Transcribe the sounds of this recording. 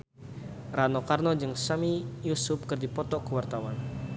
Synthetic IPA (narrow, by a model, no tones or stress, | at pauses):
ranɔkarnɔd͡ʒɨŋsamijusʊp̚kɨrdipɔt̪ɔkəwart̪awan